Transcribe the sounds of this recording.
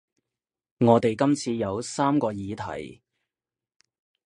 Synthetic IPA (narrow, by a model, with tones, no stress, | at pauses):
ŋɔː˨˧t̪e˨jkɐ˥mt͡sʰiː˧jɐ˨˧wsaː˥mkɔː˧jiː˨t̪ʰɐ̰˨˩j